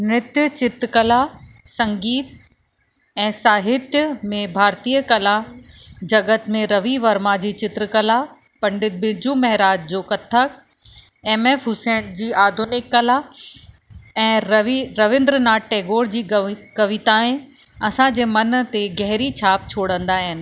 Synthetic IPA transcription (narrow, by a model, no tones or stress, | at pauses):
nɪt̪jət͡ɕɪt̪ɾkɐla | sɐ̃ŋɡiːt̪̚ | ɛ̃ːsaːɦɪt̪jmẽbʱaːɾt̪iːəkɐla | d͡ʑɐɡət̪mẽɾɐʋiʋɐɾmad͡ʑiːt͡ɕɪt̪ɾkəla | pɐ̃ɳɖɪt̪̚bɪd͡ʑumɐɦɾaːd͡ʑ̚d͡ʑoːkɐt̪ʰək̚ | ɛ̃ːmeːfʊsɛːnd͡ʑiːʔaːd̪ʱʊnɪkːɐla | ɛ̃ːɾɐʋɪ̃nd̪ɾnaːʈʈeːɡoːɾd͡ʑiːkɐʋɪt̪aɪ̃ | ɐsãd͡ʑeːmɐnt̪eɡɛɦɾit͡ɕʰaːp̚t͡ɕʰoːɽə̃nd̪aːɦɪnɪ̆